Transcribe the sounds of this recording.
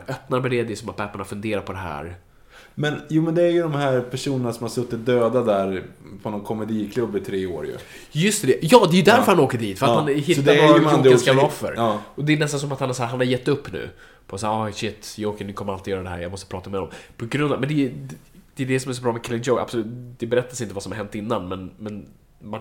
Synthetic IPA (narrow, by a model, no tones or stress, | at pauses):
œpnaɾmɛd̪ɛd̪ɛsɔmat̪̚bʰɛpːaɳafɵnd̪eːɾaɾpʰɔd̪ɛɦæ̰ːɾ | mɛnjuːmɛnd̪ɛæɾjɵd̪ɔmhæːɾpʰæʂuːnənasɔmhaɾsɵt̪ːɪt̪̚d̪øːd̪ad̪æɾpʰɔnɔnkʰɔmɛd̪iːkʰlɵbːɪt̪ʰɾeːo̰ːɾjɵ̰ | jɵst̪ɛd̪ɛjɑːd̪ɛjʉd̪æɾœɾhanoːkəɖiːt̪fœɾahanɦɪtsd̪ːaskkaɔfːə̰ɾɔd̪ɛːnɛst̪ans̬ɔmat̪hanhaʂæːɦanhaɾjɛt̪ːɵpːnʉ̰ː | pʰɔsaːɑɕɪt̪ːjɑoːkənɪkʰɔmːəɾalt̪ɪjœːɾad̪ɛhæ̰ɾja̰mɔst̪əpʰɾɑːt̪amɛd̪ɔ̰mpʰɔɡɾɵnd̪ɔmɛnd̪ɛ | d̪̥ɛd̪ɛsɔmæs̬ɔbɾɑːmɛkʰɛlɪnd͡ʒoʊa̰b̥sɔlʉ̟ːt̪d̪̥ɛbɛɾɛt̪ːasɪnt̪əvasɔmhaɾɦɛnt̪ːɪnːanmɛnmɛn | ma